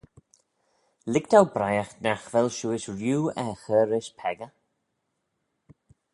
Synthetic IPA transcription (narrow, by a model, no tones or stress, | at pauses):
lɪktʰawbɾajaxnaxvɛlʃuːɪsɹjuːɛxəːɾɪʃpʰɛɡə